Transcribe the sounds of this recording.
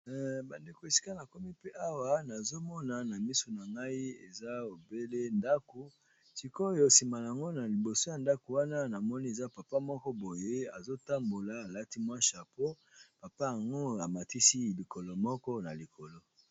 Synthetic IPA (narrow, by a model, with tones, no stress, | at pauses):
ba˨nde˨ko˨e˨si̥˦ka˦na˨ko˦mi˦pe˦ʔa˦wa˦na˨zo˦mɔ˦na˨na˨mi˦so˨na˨ŋɡa˦i˦ḛ˨za˦o˨be˦le˦nda˦ko˨ | si˨ko˦jo˦si˨ma˨a˨ŋɡo˦na˨li˨bo˨so˦ja˨nda˦ko˨wa˦na˦na˨mɔ˦ni˦e˨za˦pa˨pa˦mɔ˦kɔ˦bo˨je˦a˨zo˦ta˦mbo˨la˨a˨la˦ti˦mwa˦ʃa˨po˦ | pa˨pa˦ja˨ŋɡo˦a˨ma˨ti˦si˦li˨ko˨lo˨mɔ˦kɔ˦na˨li˨kʰo˨lo˦